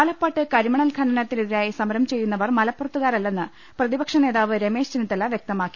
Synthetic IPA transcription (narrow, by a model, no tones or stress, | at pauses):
aːlɐpːaːʈːɨkɐɾimɐɳɐlkʰɐɳɐnɐt̪ːiniðiɾaːjisɐmɐɾɐmt͡ɕe̞jːunːɐʋɐrmɐlɐpːurɐt̪ːuɣaːɾɐlːenːɨ | prɐðibɐkʂɐne̞ːðaːʋɨɾe̞me̞ːʂt͡ɕinit̪ːɐlːɐʋjek̚t̪ɐmaːkːi̥